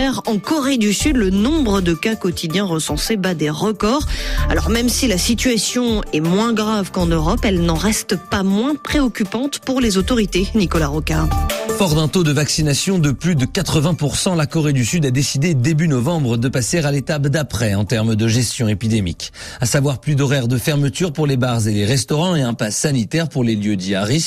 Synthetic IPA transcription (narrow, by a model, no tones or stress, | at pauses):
ɛʁɑ̃kɔʁed̪ysyd̪lənɔ̃bʁəd̪əkakɔt̪ʰid̪jɛ̃ʁəsɑ̃sebad̪eʁəkɔʁa̰lɔ̰ʁmɛmsilasit̪ɥasjɔ̃ɛmwɛ̃ɡʁavkɑ̃nøʁɔpɛlnɑ̃ʁɛst̪pamwɛ̃pχeɔkʲypɑ̃t̪puʁlezot̪ɔʁit̪enikɔlaʁɔkafɔʁd̪ɛ̃t̪od̪əvaksinasjɔ̃d̪əplyd̪əkat̪χəvɛ̃puʁsɑ̃lakɔʁed̪ysyd̪ad̪esid̪ed̪ebynɔvɑ̃bʁəd̪əpaseʁalet̪apd̪apχɛɑ̃t̪ɛʁmd̪əʒɛst̪jɔ̃epid̪emikasavwaʁplyd̪ɔʁɛʁd̪əfɛʁmət̪yʁpuʁlebaʁzeleʁɛst̪ɔʁɑ̃eɛ̃pasanit̪ɛʁpuʁleljød̪iaʁis